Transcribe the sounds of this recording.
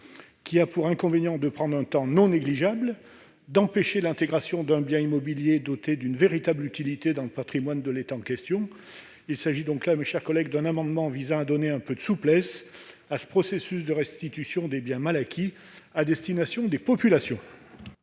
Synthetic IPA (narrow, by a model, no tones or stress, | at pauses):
kʲʰiapuʁɛ̃kɔ̃venjɑ̃d̪əpχɑ̃d̪ʁɛ̃t̪ɑ̃nɔ̃neɡliʒabl | d̪ɑ̃peʃelɛ̃t̪eɡʁasjɔ̃d̪ɛ̃bjɛ̃imɔbiljed̪ot̪ed̪ynveʁit̪ablyt̪ilit̪ed̪ɑ̃ləpat̪χimwand̪əlet̪aɑ̃kʲɛst̪jɔ̃ | ilsaʒid̪ɔ̃klameʃɛʁkɔlɛɡd̪ɛ̃namɑ̃d̪mɑ̃vizɑ̃ad̪ɔneɛ̃pød̪əsuplɛs | asə̥pχɔsesysd̪əʁɛst̪it̪ysjɔ̃d̪ebjɛ̃malakʲʰi | ad̪ɛst̪inasjɔ̃d̪epɔpylasjɔ̃